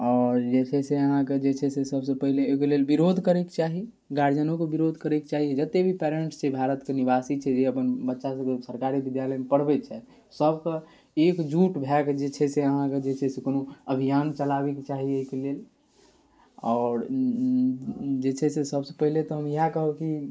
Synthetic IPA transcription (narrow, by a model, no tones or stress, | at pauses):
ɔːɾd͡ʒet͡ʃʰɛseəɦãked͡ʒet͡ʃʰɛsesəbsəpəɦileokelelbiɾod̪ʱkəɾɛkt͡ʃaɦi | ɡaɾd͡ʒənokebiɾod̪ʱkəɾɛket͡ʃaɦid͡ʒət̪ːebʱipɛɾeɳʈst͡ʃʰɛbʱaɾət̪kenibasit͡ʃʰɛd͡ʒeəpənbətːʃasəkesəɾkaɾibid̪jaləjmepəɽbɛt͡ʃʰɛt̪ | səbkə | ekd͡ʒuʈbʱɛkd͡ʒet͡ʃʰɛseəɦãked͡ʒet͡ʃʰɛsekonoəbʱijant͡ʃəlabeket͡ʃaɦieɦikelel | ɔːɾ | d͡ʒet͡ʃʰɛsesəbse̥pəɦilet̪ɔɦəmjiɦakəɦəbki